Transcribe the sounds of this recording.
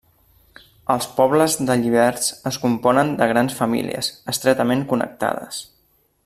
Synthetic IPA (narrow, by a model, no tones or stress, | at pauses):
əlˠspɔβləzðəʎiβ̞ɛɾsəskumpɔnənd̪əɣ̞ɾansfəmḭliə̰zəst̪ɾɛt̪əmeŋkunə̰k̚t̪a̰ðə̰s